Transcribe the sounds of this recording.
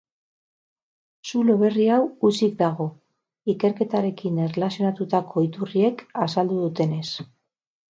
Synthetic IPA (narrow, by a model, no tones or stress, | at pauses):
sulo̞βe̞riawut͡sik̚d̪aɣo̞ | ike̞ɾke̞t̪aɾe̞kinerelasijo̞nat̪ut̪akʰo̞it̪urie̞kasald̪uðut̪e̞ne̞s